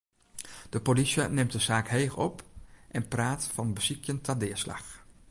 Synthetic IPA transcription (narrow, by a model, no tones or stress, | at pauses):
d̥əpolisjənɪmtdəzaːkheːxɔ̰pʔɛnpraːtfɑnbəz̥ikʰjəntʰadɪːɹslɑ̰x